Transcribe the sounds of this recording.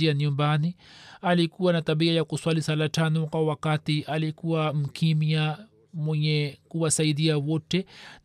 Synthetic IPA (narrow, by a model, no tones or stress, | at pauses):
iaɲumbanialikuwanataɓiajakuswalisalatanɔkwawakatiʔalikuwam̩kʰimja | mwɛɲɛkuwasaiðiawɔtɛ